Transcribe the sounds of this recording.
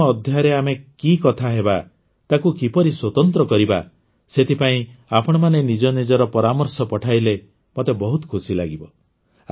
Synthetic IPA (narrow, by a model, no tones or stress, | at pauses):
ɔːd̪ʱjaɾeamekikɔt̪ʰaɦeba | t̪akukipɔɾiswɔt̪ɔnt̪ɾɔkɔɾiba̰ | set̪ʰipaĩapɔɽ̃ɔmanenid͡ʒɔnid͡ʒɔɾɔpɔɾamɔɾsɔpɔʈʰajle | mot̪ebɔɦut̪ɔ̥kʰusilaɡibɔ